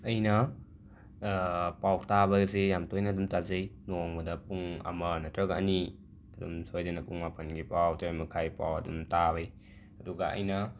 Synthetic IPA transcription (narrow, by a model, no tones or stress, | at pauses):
ɐjnɐ | pawtabɐɡzejamtojnɐdumtazɯjnoŋbɐdɐpuŋa̰mɐnɐtɾɐɡɐ̰ni | ɐdumsojzenɐpuŋmapʰɐnɡipawtɾajmɐkʰajpa̰wɐdumtabaj | ɐduɡaʔɐ̰jnɐ